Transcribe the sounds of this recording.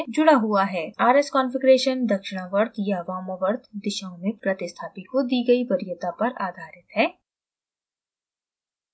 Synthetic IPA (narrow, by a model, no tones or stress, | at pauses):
d͡ʒʊɽaɦuaɦɛːaːɾeskɔːnfɪɡɾeːʃənd̪ɐkʃɪɽ̃aʋəɾt̪jaʋaːməʋəɾt̪ʰd̪ɪʃaːõmẽpɾɐt̪ɪst̪ʰaːpikod̪iːɡɐiʋɐɾɪjət̪apɐɾaːd̪ʱaːɾɪt̪ɦɛː